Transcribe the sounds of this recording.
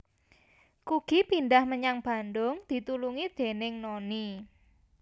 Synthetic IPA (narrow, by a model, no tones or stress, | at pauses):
kuɡ̥i̤pind̪ahməɲaŋb̥a̤nd̪ʊŋd̪̥i̤t̪uluŋid̪̥e̤nɪŋnoni